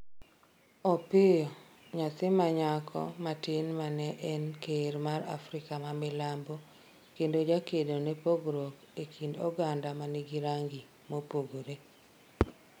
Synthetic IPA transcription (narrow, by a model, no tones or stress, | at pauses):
ɔpɪjɔ | ɲat̪ɪmaɲakʰɔ̰matɪnmanɛʔɛnkeɾmaɾa̰fɾɪkamamɪlambo | kendod͡ʒakedonepoɡɾok | ekʰindɔɡandamaniɡiɾaŋɡi | mopoɡoɾe